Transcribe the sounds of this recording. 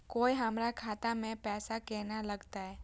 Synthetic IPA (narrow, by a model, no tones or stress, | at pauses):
koːiɦəmɾakʰaːt̪amẽpɛːsakeːnaləɡt̪aɦɛː